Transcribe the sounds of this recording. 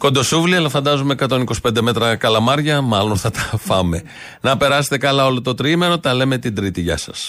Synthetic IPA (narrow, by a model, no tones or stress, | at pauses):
ko̞nd̪o̞suvliɐlɐfɐnd̪ɐzumeːkɐt̪o̞niko̞si̥pe̞nd̪e̞me̞t̪ɾɐkɐlɐmɐɾʝɐmɐlo̞nθɐt̪ɐ̥fɐ̰me̞ | nɐpe̞ɾɐse̥t̪e̞kɐlɐo̞lo̞t̪o̞t̪ɾime̞ɾo̞t̪ɐle̞me̞t̪ind̪ɾit̪iʝɐ̰sɐ̰s